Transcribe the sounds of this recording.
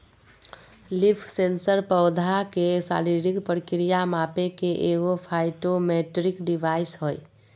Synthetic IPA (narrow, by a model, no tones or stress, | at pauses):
lɪpʰsensəɾpɔʊd̪ʱakesa̰ːɾiɾikpəɾkɾijamaːpekeʔeːɡopʰaɪʈomeːʈɾɪkɖɪʋaːɪsɦoi